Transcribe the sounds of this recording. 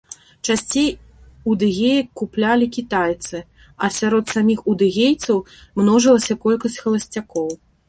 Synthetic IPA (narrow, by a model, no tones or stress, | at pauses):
t͡ʂasʲt͡sʲej | ud̪ɨɣʲejɐkːuplʲalʲikʲit̪ajt̪sɨ | ɐsʲaɾɔt̪samʲixud̪ɨɣʲejt̪sɐw | mnɔʐɨlˠɐsʲɐkɔlʲkɐsʲt͡sʲxɐlˠɐsʲt͡sʲakɔw